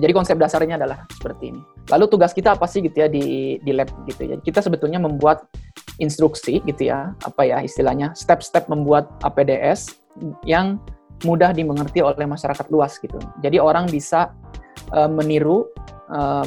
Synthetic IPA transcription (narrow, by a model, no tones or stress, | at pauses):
d͡ʒadikɔnsɛp̚dasarɲaːdalahsə̥pərt̪ḭːnilʔalut̪uɡaskit̪aːpasɪhɡit̪ujadidilɛp̚ɡit̪ṵd͡ʒa̰dikit̪asəbət̪ulɲaməmbuat̪̚ʔinst̪ɾuksiɡit̪uja̰a̰pajaɦḭst̪ilahɲast̪ɛp̚st̪ɛp̚məmbuat̪̚ʔa̰pedeʔɛs | jaŋmudahdiməŋərt̪iolɛhmaʃaɾakat̪luasɡit̪ṵd͡ʒadioɾaŋbisaʔəməniɾuə